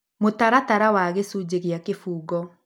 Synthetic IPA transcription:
motaɾataɾawaɣesud͡ʑeɣeakefuːɡɔ

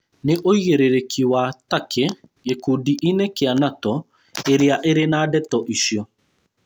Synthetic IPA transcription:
neʔoiɣeɾeɾekʰiwatakʰejekudiʔinekeanatɔ | eɾeaʔeɾenaːdɛtɔʔiʃjɔ

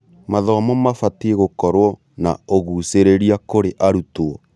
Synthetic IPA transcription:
maðɔmɔmafatieɣokɔɾwɔ | na̰oɣuseɾeɾiakoɾeʔaɾutoɔ

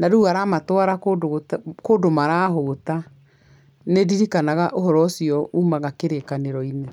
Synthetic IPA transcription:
naɾuaɾamatwaɾakodkodomaɾaːɦota | nediɾikanaɣaʔoɦɔɾɔsiɔumaɣakeɾekaneɾɔine

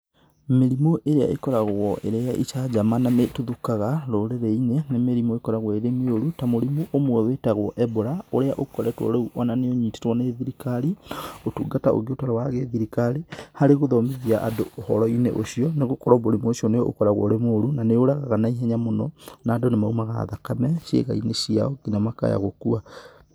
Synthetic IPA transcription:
meɾimoʔeɾea̰ʔekɔɾaɣwɔʔeɾeaʔiʃad͡ʑamanametuðukaɣaɾoɾeɾɛinenemeɾimoekɔɾaɣwɔeɾemeoɾutamoɾimoʔomwɛwetaɣwɔʔɛboɾaoɾeaʔokɔɾɛtwɔ̰ɾeuʔɔnaneoɲite̥twɔneðiɾikaɾiotuːɡataʔo̰ɣiotɔɾawaɣeðiɾikaɾihaɾeɣoðɔmeðiaʔa̰doohɔɾɔinḛʔoɕiɔneɣokɔɾɔboɾimuoʃiɔneo̰kɔɾaɣwɔ̰ɾemoːɾunaneoɾaɣaɣanaiɦɛɲamonɔnaːdonemaumaɣa̰ðakamɛʃjḛɣa̰inesia̰ɔɡinamaka̰ja̰ɣokua

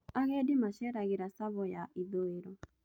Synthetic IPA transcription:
aɣɛdɪmaʃɛɾaɣɪɾasaβɔjaʔiðoeɾo

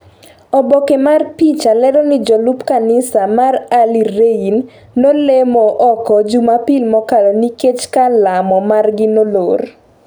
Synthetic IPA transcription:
ɔbɔkemarpit͡ʃalɛɾɔnɪd͡ʒɔlupkanɪsamaraliɾeinː | olemɔʔɔkɔd͡ʒumapilmɔkalɔniket͡ʃkalamɔmarɡɪnolor

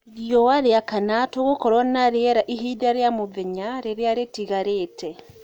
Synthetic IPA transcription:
ɾiɔwaɾeakanatoɣokɔɾwanaɾeɛɾaʔiɦiðaɾeamoðeɲaɾeɾeaɾetiɣaɾetɛ

